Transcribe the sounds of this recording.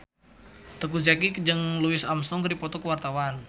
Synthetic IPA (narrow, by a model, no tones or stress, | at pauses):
t̪əkuzakikd͡ʒəŋluɪsamsɔŋkəɾipɔt̪ɔkəwart̪awan